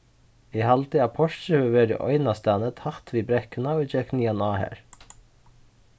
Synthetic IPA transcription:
iːhɑlt̪iːɑːpʰɔʃʃəʋʉʋeːɖə̰ːʔœ̰ʏnɑst̪ænət̪hɑht̪ʰʋiːbɾɛkənɑɪd͡ʒɛkʰniːɑnɑːhæ̰ːɹ

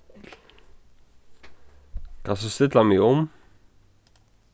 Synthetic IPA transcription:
kʰasəst̪ɪt̪lamɪɔm

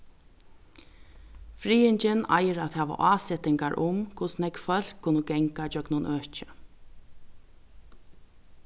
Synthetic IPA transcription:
fɾiːɪɲt͡ʃɪna̰jəɾat̪hɛːʋa̰ʔaːsɛt̪ɪŋkaɹʔʊmkʰʊsnɛkfœl̥kʰːʊnəɡɛŋkad͡ʒœknʊnʔøːht͡ʃɪ̥

